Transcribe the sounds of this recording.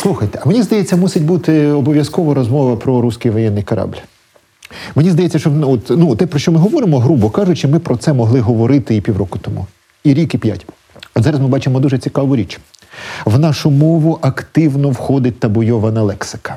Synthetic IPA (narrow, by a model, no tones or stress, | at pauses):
slˠuxɐjt̪ɛ̥ɐmenʲizd̪ɐjet͡sʲːɐmusʲɪtʲbut̪ɪɔbɔʋjɐskɔʋɐɾɔzmɔʋɐpɾɔɾusʲkɪjʋɔjɛnːɪjkɐɾʔɑ̰blʲ | menʲizd̪ɐjet͡sʲːɐʃt͡ʃɔnɔt̪nut̪ɛpɾɔʃt͡ʃɔmɪɦɔʋɔɾɪmɔɦɾubɔkɑʒʊt͡ʃɪmɪpɾɔt̪sɛmɔɦlˠɪɦɔʋɔɾɪt̪ɪipʲiwɾɔkʊt̪ɔmṵ | iɾʲikipʲja̰tʲ | ɐzɑɾɐsmɪbɑt͡ʃɪmɔd̪uʒɛt͡sʲikɑʋʊɾʲit͡ʃ | ʋnɑʃʊmɔʋʊʔɐkt̪ɪʋnɔwxɔd̪ɪt̚ʲt̪ɐbɔjɔʋɐnɐlˠɛksɪ̥kɐ̥